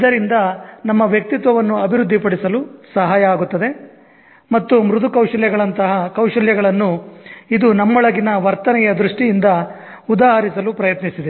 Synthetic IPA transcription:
id̪ɐɾind̪ɐnɐmːɐʋjɐk̚t̪it̪ʋɐʋɐnːuɐbʱiɾud̪ʱːipɐɽisɐlusɐɦaːjɐaːɡut̪ːɐd̪e̞ | mɐt̪ːumɾud̪ukɐwʂɐljɐɡɐɭɐnt̪ɐɦɐkɐwʂɐljɐɡɐɭɐnːuid̪unɐmːɔɭɐɡinɐʋɐɾt̪ɐnɛjɐd̪ɾuʂʈijind̪ɐ | ud̪aːɦɐɾisɐlupɾɐjɐt̪nisid̪e

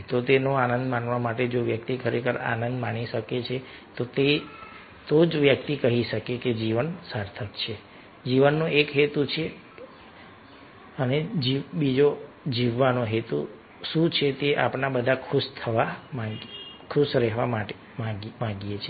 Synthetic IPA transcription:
t̪ot̪enoanənd̪manʋamaʈed͡ʒoʋjək̚t̪ikʰəɾekʰəɾa̰nənd̪mañiʃəket͡ʃʰe | t̪ot̪e | t̪od͡ʒʋjəkt̪ikəɦiʃəkeked͡ʒiʋənsaɾt̪ʰəkt͡ʃʰe | d͡ʒiʋənːoekɦet̪ut͡ʃʰe | əned͡ʒibid͡ʒo | d͡ʒiʋːanoɦet̪u | ʃũt͡ʃʰet̪eʔa̰pnabəd̪ʱakʰuʃt̪ʰəʋamakʰuʃɾɛɦʋamaʈe | mãmãɡijet͡ʃʰe

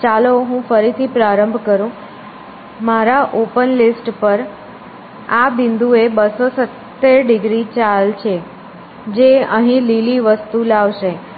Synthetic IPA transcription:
t͡ʃaloɦũfəɾit̪ʰipɾaɾəmbʱkəɾũ | maɾaʔopənlisʈpəɾ | abɪnd̪uebəsosət̪ːeɾɖɪɡɾit͡ʃalt͡ʃʰe | d͡ʒeəɦĩliliʋəst̪ulaʋʃe

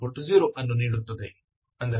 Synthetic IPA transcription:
oɾʈziːɾoʔɐnːuniːɽut̪ːɐd̪e | ɐnd̪ɐɾ

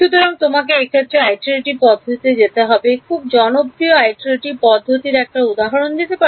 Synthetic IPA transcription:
ʃut̪oɾaŋt̪omak̬eekʰet̪ːɾeajʈieʈipɔd̪ʱːot̪it̪ed͡ʑet̪eɦɔbekʰub̚d͡ʑɔnobɾioajʈeʈipɔd̪ʱːot̪iɾɛk̚ʈaud̪aɦoɾond̪it̪epa

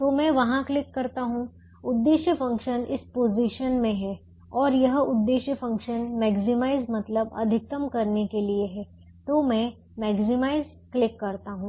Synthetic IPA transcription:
t̪oːmɛ̃ːʋɐɦãklɪkːɐɾt̪aɦũ | ʊd̪ːeːʃjəfɐ̃ŋkʃənɪspoːziʃənmẽɦɛː | ɔːɾjɐɦʊd̪ːeːʃjəfɐ̃ŋkʃənmɛːɡzɪmaːɪzmɐt̪ləbɐ̰d̪ʱɪk̚t̪əmkɐɾnekelieɦɛː | t̪oːmɛ̃ | mɛːɡzɪmaːɪz | klɪkːɐɾt̪aɦũː

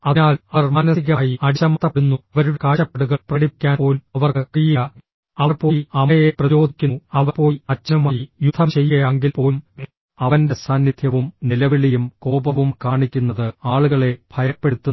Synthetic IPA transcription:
ɐnaːlɐɐrmaːnɐsiɣaːjiɐɽiɕɐmɐt̪ːɐpunːuʋɐɾuɽkaːʂɐpːe̞ɽuɣɐɭprɐɽikʲːaːnpo̞ːlɐʋɐrkɨkijɐ | ɐʋɐrpo̞ːɐmɐjeprɐjo̞ːd̪ʱikʲːunɐʋɐpo̞ːɐt͡ɕːɐɐmaːjijud̪ʰʱːɐmt͡ɕe̞jːɐjaŋɡilpo̞ːm | ɐʋɐndesaːnːid̪ʱʰjɐʋumnilɐʋiɭijumko̞ːbɐʋumkaːɳikʲːunːɐðɨaːɭuɣɐɭe̞bʱɐjɐpːe̞ɽut̪ːu

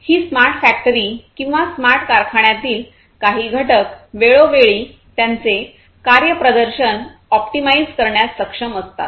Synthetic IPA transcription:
hiːsmaɾʈfæk̚ʈəɾiːkĩw̃ʋasmaɾʈkaɾkʰaɳjat̪iːl | kaɦiːɡʱəʈək̚ʋeɭoʋeɭiː | t̪jant͡se | kaɾjəpɾəd̪əɾɕən | ɔpʈimaid͡zkəɾɳjasːəkʂəməst̪a̰t̪̚

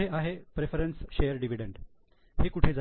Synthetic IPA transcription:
eaɦepɾefəɾənsɕejəɾɖiʋiɖeɳɖ | hekuʈʰed͡za

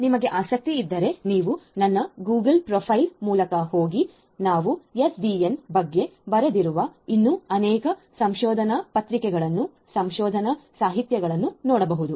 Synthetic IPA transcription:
nimɐɡe̞ʔaːsɐk̚t̪iːd̪ːɐɾe̞niːʋunɐnːɐɡuːɡɐlpɾɔːpʰɐjlmuːlɐkɐhoːɡi | naːʋujesɖiːenbɐɡːe̞bɐɾed̪iɾuʋɐinːuɐnɛːkɐsɐmʃɔːd̪ʱɐnɐpɐt̪ɾikɛɡɐɭɐnːu | sɐmʃɔːd̪ʱɐnɐsaːɦit̪jɐɡɐɭɐnːunɔːɽɐbɐɦud̪u

